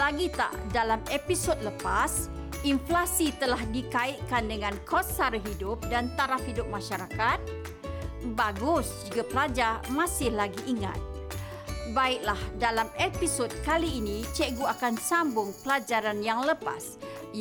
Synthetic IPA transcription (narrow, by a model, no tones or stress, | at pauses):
laɡit̪a̰ʔdalamepisɔd̚ləpas | inflasit̪əlahdikaɪʔ̪̚kandəŋãnkʰɔsaɾɦidʊp̚dant̪aɾafhidʊp̚mãʃaɾakat̪̚ | baɡʊsd͡ʒiɡapəlad͡ʒarmasɪhlaɡiʔːŋa̰t̪̚ | baɪʔ̚lahdalamepisɔd̚kaliːnĩt͡ʃɛɡuakansambʊŋpəlad͡ʒaɾanjaŋləpa̰s